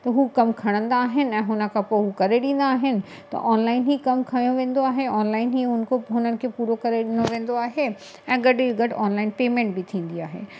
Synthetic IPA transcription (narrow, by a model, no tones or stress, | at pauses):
t̪ɐɦukɐmkʰɐɽ̃ə̃nd̪aːɦɪnɪ̆ɛ̃ːɦʊnəkʰãpoɦukɐɾeɗẽːn̆d̪aːɦɪnɪ̆ | t̪ɐ̰ʔɔːnlaːɪnɦikɐmkʰaːijõʋẽːn̆d̪oaːɦeɔːnlaːɪnɦiɦʊnkʰoɦʊnənɪ̆kʰepuːɾokɐɾeɗɪ̃noʋẽːn̆d̪oaːɦe | ɛ̃ːɡɐɖɪiɡɐɖaːnlaːɪnpeːmẽːɳʈ̚bʱit̪ʰĩːn̆d̪iaːɦḛː